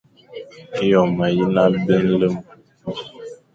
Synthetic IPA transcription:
i˦jɔ˨ma˨ji˦na˦bə˦n̩˦lə˦m˨

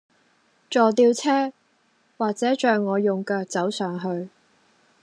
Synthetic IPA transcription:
t͡ʃɔː˨t̪iː˧wt͡sʰɛː˥ | waː˨k̚t͡sɛː˨˥t͡ʃœː˨ŋːɔː˨˧jʊ˨ŋkɐː˧t͡sɐ˨˥wsœː˨ŋɦɵ˧ɥ

